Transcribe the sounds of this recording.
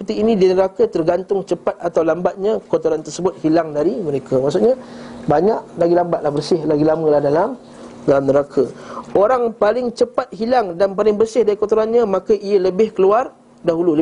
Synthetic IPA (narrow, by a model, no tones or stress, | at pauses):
səpərt̪iːnidinəɾakat̪ərɡant̪ʊŋt͡ʃəpat̪̚at̪awlambat̪̚ɲakwot̪oɾant̪ərsəbʊt̪̚hilaŋdaɾiməɾekʰamaʔsʊʔɲabaɲaʔlaɡilambat̪̚lahbərsɪhlaɡilaməlahdalam | dalamnəɾakʰaoɾaŋpalɪŋt͡ʃəpat̪̚ɦilaŋdanpalɪŋbərsɪhdaɾikwot̪oɾanɲãmakaʔijələbɪhkəluar | daɦululə